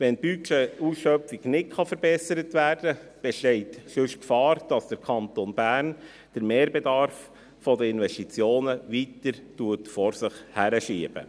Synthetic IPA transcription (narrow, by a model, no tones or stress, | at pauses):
ʋɛnb̥yɛusʃœfiɡnɪtχɑfəɾbɛsəɾətʋæːrd̥əb̥ɛʃtɛɪtʃɵʃkfɑːɾd̥ɑsd̥əɾkʰɑnt̪onbæːɾn | d̥əɾmeːɾbɛdɑɾf | fɔdəɪnʋɛʃtit͡sjoːnəʋitəɾtuətfɔɾsɪχhæɾəʃiəb̥ə̰